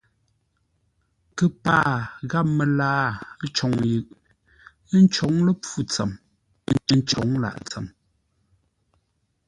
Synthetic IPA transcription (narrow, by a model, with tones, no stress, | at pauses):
kə˨paː˦˨ɣa˦p̚mə˨laː˦t͡ʃɔ˨˦ŋjʉ˨ʔ | n̩˦t͡ʃɔ˨˦ŋlə˦p͡fu˦˨t͡sə̰˨m˦ | n˦t͡ʃɔ̰˨˦ŋla̰˨ʔt͡sə̰˨m